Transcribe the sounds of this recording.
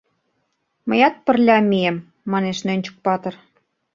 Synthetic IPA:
məjɑt̪̚pə̆rlʲɑmʲijemː | ɑneʃnønʲt͡ɕə̥̆k̚pɑt̪ɤ̆r

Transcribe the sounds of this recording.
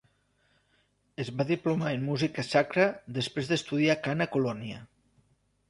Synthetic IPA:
əzβaðiplumaenmuzikəsakɾəðəspɾezðəst̪uðiakanəkulɔnjə̰

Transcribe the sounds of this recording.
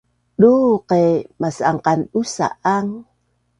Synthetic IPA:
ɗuqemasaŋqanusa̰ʔaŋ

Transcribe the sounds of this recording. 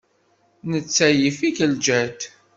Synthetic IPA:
nət͡sːæjifikəld͡ʒæt̪

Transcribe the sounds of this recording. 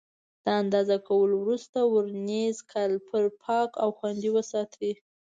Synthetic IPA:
d̪̥əand̪ɑzakawəlowɾust̪awəɾnezkʰalpʰəɾpʰɑkawxwand̪iwəsɑt̪wi

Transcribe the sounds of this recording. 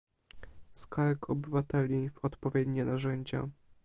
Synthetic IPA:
skaɾkʰɔbɘvat̪ɛlʲivɔt̪pɔvʲjed̪ɲɛnaʐɛɲd͡ʑa̰

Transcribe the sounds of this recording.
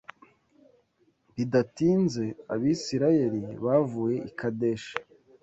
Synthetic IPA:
bidatiːnze̞a̰βisiɾaje̞ɾiβaːvuje̞ʔikadeʃḁ

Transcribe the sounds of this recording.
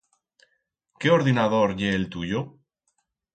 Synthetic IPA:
keoɾðinaðoɾʎeːlt̪uʎo

